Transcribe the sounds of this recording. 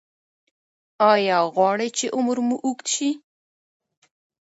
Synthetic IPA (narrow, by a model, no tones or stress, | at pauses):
ɑjɑɣwɑɽəjt͡ʃeʔʊmɾmuʔuk̪ʃi